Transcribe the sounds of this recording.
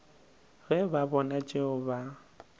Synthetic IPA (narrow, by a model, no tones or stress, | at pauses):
ɣɛbabɔnat͡ʃʼeʊba